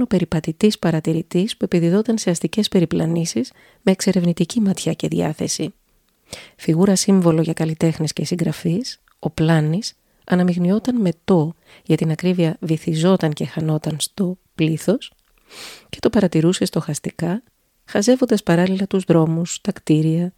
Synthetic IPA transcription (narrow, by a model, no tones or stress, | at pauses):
no̞pe̞ɾipɐt̪it̪ispɐɾɐt̪iɾit̪ispue̞piðiðo̞t̪ɐnse̞ɐst̪ice̞spe̞ɾiplɐnisiz̥ | me̞ːkse̞ɾe̞vnit̪icimɐt̪çɐce̞ðiɐ̰θe̞si | fiɣuɾɐsiɱvo̞lo̞ʝɐkɐlit̪e̞xnesce̞siŋɡɾɐfis | o̞plɐnis | ɐnɐmixnio̞t̪ɐnme̞t̪o̞ | ʝɐt̪inɐkɾiviɐviθizo̞t̪ɐŋce̞xɐno̞t̪ɐnst̪o̞pliθo̞s | ce̞t̪o̞pɐɾɐt̪iɾuse̞st̪o̞xɐst̪ikɐ | xɐze̞vo̞nd̪ɐspɐɾɐlilɐt̪uzðɾo̞must̪ɐkt̪iɾiɐ